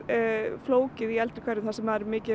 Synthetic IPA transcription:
floːwcɪðiɛlt̪ɪɾ̥kʰvɛɾɪθasɛmaɾmɪːcɪ

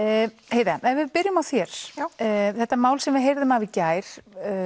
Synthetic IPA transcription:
heːjðaɛnvɪðpɪɾjʏmawθjɛɾ̥ | θɛht̪ːamaːwlsɛmvɪðɦejɾðʏmavɪcaːjɾ̥

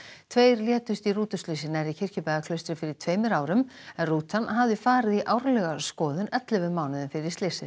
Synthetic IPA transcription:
t̪ʰveːjɾljɛːt̪ʏst̪iruːt̪ʏst̪lisɪnaɾicʰɪr̥cʏpɛːɣakʰlœɥst̪ɾɪfɪɾɪɾ̥t̪ʰveːjmʏɾaːwɾʏmɛnruːt̪anɦavðɪfaːɾɪðiʔaːwɾalɛɣaskɔːðʏnɛt̪lɪvʏmaːwnɪðʏmfɪɾɪ̥st̪esɪ

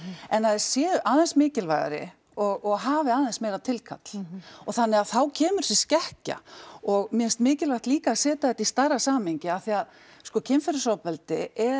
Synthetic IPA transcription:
ɛnhaðɪsjɛːʏʔaːðɛnsmɪːcɪlva̰ːjɣa̰ɾɪ̰ | ɔɣɔɣɦaːvɪaːðɛnsmeːjɾat̪ʰɪlkʰa̰t̪l̥ɔθanːɪɣaθawcʰɛːmʏɾ̥sɪscɛhca̰ɔɣmjɛnst̪mɪːcɪlvajht̪liːkaːsɛːt̪aðɛt̪ist̪arasaːmɪɲcɪaθiað | skɔcʰɪnfɛɾɪsaːwpɛlt̪ɪɛ

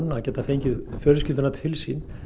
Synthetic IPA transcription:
nacɛːt̪afeːjɲcɪðfœːɾʏs̬cɪt̪ʏnat̪ʰɪlsin

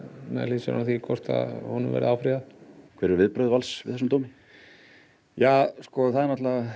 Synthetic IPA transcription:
mɛlisɾanθikʰɔr̥t̪a̰ðhɔnʏmvɛ̰ːɾɪ̰awfɾiðakʰvɛːɾɪɾvɪðpɾœɥðvalsvɪ̰ðɛsʏmt̪oːwmɪ | jaːskɔθaðɛɾnat̪laa

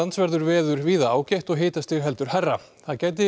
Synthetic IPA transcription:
ansvɛɾðʏɾvɛːðʏɾ̥viːðaaːwcajht̪ɔɣɦeːt̪ast̪ɪɣɾɦɛlt̪ʏɾ̥hɛrːa | θaðcaːjt̪̬ɪ

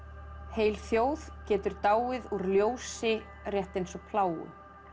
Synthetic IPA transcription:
heːjlθjoːwð̥cɛːt̪ʏɾt̪aːwɪðuɾljoːwsɪ | rjɛht̪ejnsɔpʰlaːwʏ̰

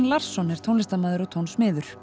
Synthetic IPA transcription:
nlar̥sːɔnɛɾt̪ʰownlɪst̪amaːðʏɾɔt̪ʰownsmɪːðʏɾ̥

